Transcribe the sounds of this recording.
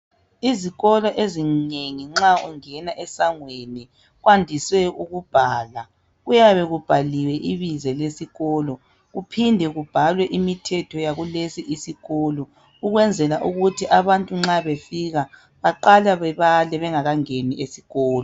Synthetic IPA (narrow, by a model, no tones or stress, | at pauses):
iziɣɔlɔʔezineŋiŋ͡ǁauŋɛnaʔɛsaŋweni | ɣwandʱiswɛuɣub̥ʱaːla | ɣujaβɛɣub̥ʱaliwɛʔiβizɛlesiɣɔːlɔ | ɣupʰindʱɛɣub̥ʱalwɛʔimitʰɛtʰɔjaɣulesiʔisiɣɔːlɔ | uɣwɛnd͡zʱɛlaʔuɣutʰiʔaβantʼuŋ͡ǁaβefiɣa | βaǃalaβɛβalɛβɛŋaɣaŋeniʔesiɣɔːlɔ